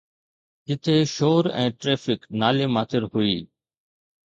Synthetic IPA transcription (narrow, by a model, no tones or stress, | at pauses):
d͡ʒɪt̪ʰeːʃoːɾɛ̰̃ːʈɾeːfɪknaːleːmaːt̪ɪɾhʊiː